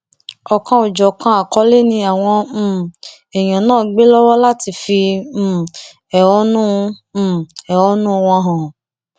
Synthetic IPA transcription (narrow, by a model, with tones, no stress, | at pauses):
ɔ˨kã˧o˨d͡ʒɔ˨kã˧a˨kɔ˧˦le˦nĩ˧a˨w̃ɔ̃˧˦˨ | ɛ˨j̃ã˨nãː˦˨ɡ͡be˦lɔ˦wɔ˦la˦ti˧fi˧˦˨ | ɛ˨ɔ˦nũ˦˧˦ | ɛ˨ɔ˨˦nũ˦˧wɔ̃˧ɦã˨